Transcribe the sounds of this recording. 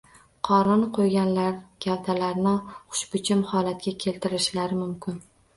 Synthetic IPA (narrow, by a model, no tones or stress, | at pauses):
qʰɒɾɪnqʰojɡʲanlaɾɡʲawt̪ʰalaɾnɪχʊ̥ʃbɪt͡ʃʰɪmhɒlat̪̚kʲakʲʰe̞lt̪ʰɪɾɪʃlaɾɪmʊmkʲʰɪn